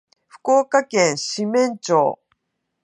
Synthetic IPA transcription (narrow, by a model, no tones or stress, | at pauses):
ɸɯ̟̥ko̞ːkakẽ̞ɰ̃ɕimẽ̞ɲt͡ɕo̰ː